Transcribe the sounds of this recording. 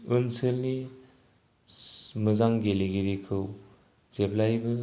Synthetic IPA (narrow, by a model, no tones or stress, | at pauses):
ɯnsɯlni | mɐzaŋɡeleɡiɾikʰɯw | zep̚lajbɯ